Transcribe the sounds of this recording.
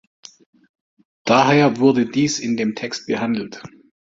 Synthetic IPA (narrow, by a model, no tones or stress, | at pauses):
d̥aɦeːɐvʊɐdədiːsɪndeːmtʰɛkst̚b̥əhandl̩t